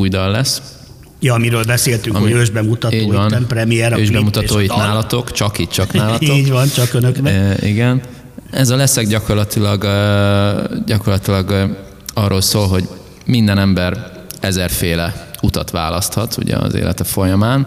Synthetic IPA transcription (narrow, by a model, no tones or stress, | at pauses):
ujd̪ɒlːɛs | jɒmiɾøːlbɛseːlt̪yŋɒmiøːʒbɛmut̪ɒiːɟvɒnpɾɛmijɛɾøːʒbɛmut̪ɒt̪oːjit̪naːlɒt̪o̞kt͡ʃɒkiːt̪̚t͡ʃɒknaːlɒt̪oɟʋɒnt͡ʃɒkønøkḭɡɛn | ɛzɒlɛsɛɡɟɒko̞rlɒt̪ilɒɡ | ɟɒko̞rlɒt̪ilɒɡ | ɒrːoːlsoːlɦo̞ɟ | mind̪ɛnɛmbɛr | ɛzɛrfeːlɛut̪ɒt̪ʋa̰ːlɒst̪hɒt̪ṵɟɛ̰ɒ̰zḛːlɛ̰t̪ɛfo̞jɒmaːn